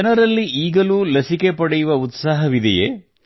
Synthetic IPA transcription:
ɐnɐɾɐlːiʔiːɡɐluːlɐsikepɐɽɛjuʋɐut̪saːɦɐʋid̪ɛjḛ

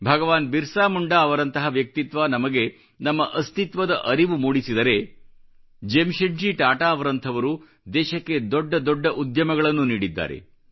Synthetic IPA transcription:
bʱɐɡɐʋaːnbiɾsaːmuɳɖaːɐʋɐɾɐnt̪ɐɦɐʋjɐk̚t̪it̪ʋaːnɐmɐɡe̞ | nɐmːɐʔɐst̪it̪ʋɐd̪ɐʔɐɾiʋumuːɽisid̪ɐɾe̞ | d͡ʒemʃɐɳd͡ʒiʈaːʈaːɐʋɐɾɐnt̪ʰɐʋɐɾu | d̪ɛːʃɐkːe̞d̪ɔɖːɐd̪ɔɖːɐʔud̪jɐmɐɡɐɭɐnːuniːɽid̪ːa̰ːɾe̞̰

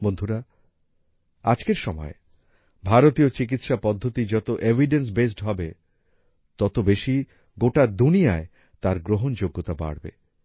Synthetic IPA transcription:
bond̪ʱuɾa | ad͡ʑkeɾʃɔmɔ̰e | bʱaɾot̪iot͡ɕik̬it̪ʃapɔd̪ʱːot̪id͡ʑɔt̪oʔevʱiɖens̬bes̬ʈɦɔbe | t̪ɔt̪obeʃi | ɡoʈad̪unijae | t̪aɾɡɾoɦond͡ʑoɡːot̪aba̰ɽbḛ

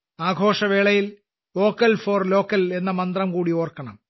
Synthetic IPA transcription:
aːɡʱo̞ːʂɐʋeːɭɐjil | o̞ːkːɐlfoːrlo̞ːkːɐle̞nːɐmɐnd̪rɐmkuːɽio̞ːrkːɐɳɐm

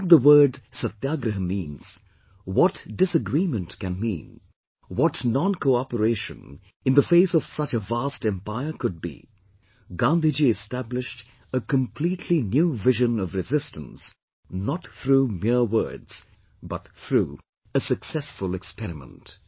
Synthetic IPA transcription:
t̚ðəwɜ˞dsət̪jaɡɾəɦə̃mĩnz̥ | wɔtd̥ɪsɨɡɾimɨ̃ntkɨ̃nmḭ̃n | wɔtnɑ̃nkʰoʊɑpəɾeɪʃɨ̰̃n | ɨ̃nðəfeɪsʌv̥sʌt͡ʃəvæstɛ̃mpaɪə˞kʰʊd̚bḭ | ɡɑ̃nd̪id͡ʒiɨstæblɪʃt | əkə̃mpʰl̥itʰlinjuvɪʒɨ̃nʌvɾɨzɪstə̰̃ns | nət̪θɹumɪɹwɜ̰˞dz̥ | bʌtθɹṵ | əsɨksɛsfəlˠɨkspɛɾɨmə̰̃nt

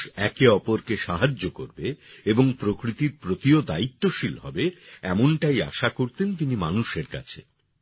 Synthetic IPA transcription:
ɛkeɔpoɾkeʃaɦad͡ʑːoko̰ɾbeeboŋpɾokɾit̪iɾpɾot̪iod̪ait̪ːoʃilɦɔ̰beɛmonʈaja̰ʃakoɾt̪ent̪inimanuʃeɾka̰t͡ɕʰḛ

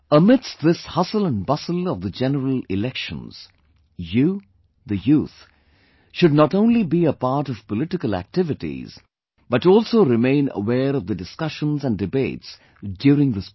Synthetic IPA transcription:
əmɪdsðɪshʌsələ̃nbʌsəl̩ˠʌvðəd͡ʒɛnəɾəlˠɪlɛkʃə̰̃nz̥ | ju | ðɨjuːθ | ʃʊd̚ⁿnətõʊ̃nlibiəpɑɾʈʌv̥pəlɪʈɪkəlˠæ̰k̚tɪvɨʈḭz̥ | b̥ʌtɔlˠsoʊɾɪmẽɪ̃nə̰wɛːɾʌvðədɨskʌʃə̃nzæ̃ndɨbeɪts | djuːɾɪ̃ŋðəs

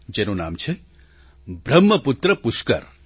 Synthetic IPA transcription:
d͡ʒenona̰ːmt͡ʃʰe | bʱɾɐmːɐput̪ɾəpuʃkə̰ɾ

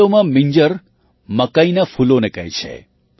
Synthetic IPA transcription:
omãmiɲd͡ʒəɾ | məkainafulonekəɦjt͡ʃʰḛ

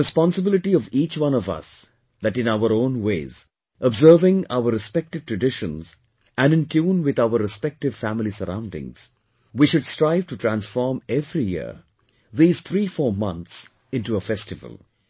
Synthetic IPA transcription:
ɾɨspɑ̃nsəbɪlɪʈiɔviːt͡ʃwʌ̃nɔvʌ̰s | ðæʈɨ̃naʊəɾõːnweːz | ʔəbzɜːvɪ̃ŋa̰ʊəɾɨspɛk̚ʈɨv̥tɹɨɖɪʃə̃nz̥ | ʔæ̃nɪ̃ntʰũːnwɪd̪aəɾɨspɛk̚ʈɪv̥fæmɪlisəɾã̰ʊ̃ndɪ̰̃ŋz̥ | wiʃʊdstɾaɪv̥ʈuʈʰɾæ̃nsfɔɹmɛvɾijɪ̰ɾ | ðiːz̥t̪ʰɾiːfɔːɹmʌ̃nt̪s | ɪ̃nʈuəfɛstɨvə̰lˠ

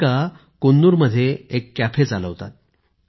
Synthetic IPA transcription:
a | konːuːɾməd̪ʱːjeekːæpʰet͡saləʋt̪a̰t̪̚

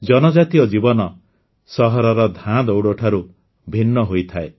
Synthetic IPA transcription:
d͡ʒɔnɔd͡ʒat̪iɔd͡ʒibɔnɔ | sɔɦɔɾɔɾɔd̪ʱãd̪owɽoʈʰaɾu | bʱinːɔɦojt̪ʰae

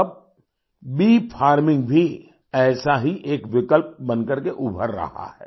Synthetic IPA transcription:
ɐb̚ | biːpʰaːɾmɪ̃ŋɡbʱi | ɛːsaɦiʔeːkʋɪkəlp̚bɐ̃nkəɾkeʔʊbʱə̰ɾːɐ̰ha̰hɛ̰ː

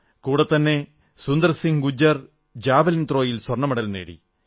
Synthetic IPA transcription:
kuːɽɐt̪ːɐnːe̞ | sund̪ɐrsiŋɡud͡ʑːɐr | d͡ʑaːbɐlint̪ro̞ːjilswɐrɳɐmɐɽɐlnḛːɽḭ

